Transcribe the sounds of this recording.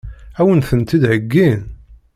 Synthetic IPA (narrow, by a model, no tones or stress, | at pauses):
æwənθənt̪id̪ʕəɡːin